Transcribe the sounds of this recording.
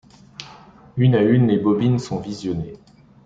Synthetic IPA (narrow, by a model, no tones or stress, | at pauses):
ynaynlebɔbinsɔ̃vizjɔne